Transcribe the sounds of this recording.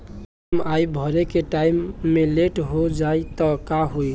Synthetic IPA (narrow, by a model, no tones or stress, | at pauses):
majbʱəɾekeʈaimːeleʈɦod͡ʒajt̪ɔkaɦoj